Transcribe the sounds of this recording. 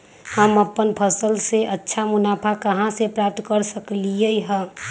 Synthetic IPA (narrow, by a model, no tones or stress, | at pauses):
həməpːənpʰəsəlseʔətːʃʰamʊnaːpʰakəɦãsepɾaːp̚t̪kəɾsəklieiɦɛ̃